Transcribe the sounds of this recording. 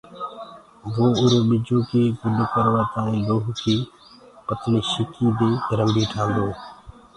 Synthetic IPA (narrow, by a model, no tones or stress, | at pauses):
ʋoːʊɾoːɓɪd͡ʒoːkeːɡʊɗokəɾʋaːt̪ãːĩːloːɦkʰeː | pət̪ɳiːʃɪkiːd̪eːɾəmbiːʈʰãːnd̪oː